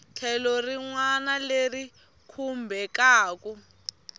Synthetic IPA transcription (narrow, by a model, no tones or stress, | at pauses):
t͡ɬʰɛlɔriŋwanaleri | kʰumbʱɛkaːku